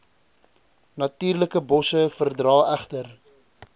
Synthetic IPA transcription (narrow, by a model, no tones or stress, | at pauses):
nɐtiːrləkəbɔsəfərdrɑːæχtər